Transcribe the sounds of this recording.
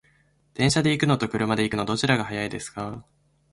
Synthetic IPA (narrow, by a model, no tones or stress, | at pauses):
d̪̥ẽ̞ɰ̃ɕad̪e̞ikɯ̟no̞t̪o̞kɯ̟ɾɯ̟mad̪e̞ikɯ̟no̞d̪o̞t͡ɕiɾaɡaɦajaid̪e̞sɨ̥ka